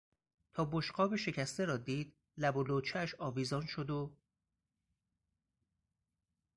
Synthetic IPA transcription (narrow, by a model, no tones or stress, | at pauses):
t̪ʰɒːboʃɢɒːbeʃe̞cʰæst̪eɾɒːd̪iːd̪̥̚ | læboloːt͡ʃʰæʃɒːviːzɒːnʃod̪o